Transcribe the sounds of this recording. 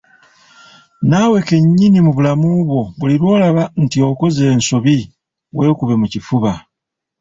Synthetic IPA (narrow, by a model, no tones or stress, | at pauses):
nawe̞ke̞ɲːinimuβulamuβwo̞βuliɾwo̞ːlaβantio̞ko̞ze̞ːnso̞βi | we̞ːkuβe̞mucifuβa